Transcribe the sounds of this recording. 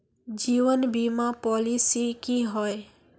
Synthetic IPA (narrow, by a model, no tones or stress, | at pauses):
d͡ʒiʋənbimapɔlisikiɦɔe